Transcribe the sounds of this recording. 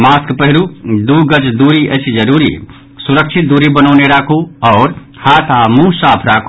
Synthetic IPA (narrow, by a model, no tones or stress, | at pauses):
maskpəɦɪɾud̪uɡət͡ʃd̪uɾiʔət͡ʃʰd͡ʒəɾuɾḭ | suɾəkt͡ʃʰit̪̚d̪uɾibənəʊneɾakʰuɔːɾ | haːt̪ʰamũsapʰɾakʰ